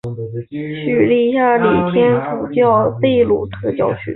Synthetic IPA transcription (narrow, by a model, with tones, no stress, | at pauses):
ɕy˨˩li˥˧ɕja˥˩li˨˩t̪ʰjɛ˥nt̪ʰu˨˩t͡ɕjɑ˥˧ʊp̪e˥˧ɪlu˨˩t̪ʰɤ˥˧t͡ɕjɑ˥˧ʊɕy̰˥˨˩